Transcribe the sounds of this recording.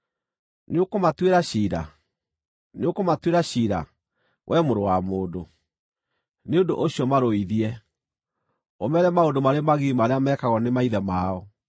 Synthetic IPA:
neokomatweɾaɕiːɾa̰ | neokomatweɾaɕiːɾa̰ | wʔɛmoɾowamoːdo | neondo̰ʔoɕiɔmaɾoiðiɛ | omɛɾɛmaodomaɾemaɣiimaɾeamɛːkaɣɔnemaiðɛmaɔ

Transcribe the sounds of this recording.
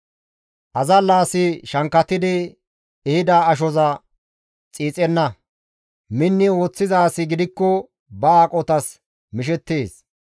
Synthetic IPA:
ʔɐzɐlaːsɪʃɐŋkːɐt̪ɪd̪ɪ | ɛhɪd̪aːɐʃ̬ɔzɐ | t͡sʼiːt͡sʼɛnːɐ | mɪnːɪo̞ːt͡sːɪzaːsɪɡɪd̪ɪkːɔ | bɐaːkʼɔt̪ɐs | mɪʃ̬ɛt̪ːeːs

